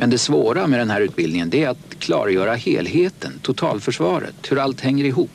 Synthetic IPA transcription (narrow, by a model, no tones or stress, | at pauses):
mʔɛnd̪ɛsvoːɾamɛd̪ɛnɦæːɾʉ̟ːt̪̚bɪld̪ɪŋənd̪ɛæɾat̪kʰlɑ̰ːɾjœːɾahḛːlɦeːt̪ʰənt̪ʰʊt̪ʰɑ̰ːlfœʂvɑːɾə̰t̪hɵɾalt̪hɛŋːəɾɪɦuːpː